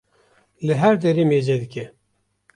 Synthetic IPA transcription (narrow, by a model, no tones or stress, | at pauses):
lɨɦæɾd̪ɛɾeːmeːd͡ʒɛd̪ɨkʲɛ